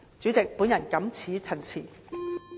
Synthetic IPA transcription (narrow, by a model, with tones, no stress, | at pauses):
t͡syː˨˥t͡sɪ˨k̚pu˨˥njɐ˨˩nkɐ˨˥mt͡sʰiː˨˥t͡sʰɐ˨˩nt͡sʰiː˨˩